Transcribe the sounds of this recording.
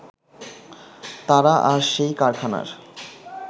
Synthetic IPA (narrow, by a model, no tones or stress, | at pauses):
t̪aɾaʔaɾʃejkaɾkʰana̰ɾ